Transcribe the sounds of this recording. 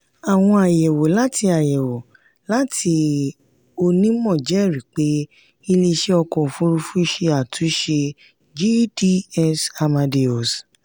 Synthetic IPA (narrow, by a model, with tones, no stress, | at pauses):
a˨w̃ɔ̃˧a˨jɛ˨wo˨la˦ti˧a˨jɛ˨wo˨ | la˦ti˧ | o˧nĩ˦mɔ̃˦˨d͡ʒɛ˨˦˨ɾi˨k͡pe˨˦ | i˧le˧ʃe˧˦ɔ˧kɔ˨fu˦ɾu˧fu˦ʃe˧a˨tũ˨˦ʃe˧ | d͡ʒi˦di˦ɛ˧sa˧mã˧de˧o˨s